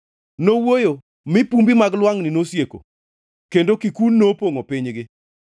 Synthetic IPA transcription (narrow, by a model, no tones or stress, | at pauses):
nowojo | mɪpumbimaɡlwaŋnɪnosjeko̰ | kendokikunːopoŋopɪɲɡɪ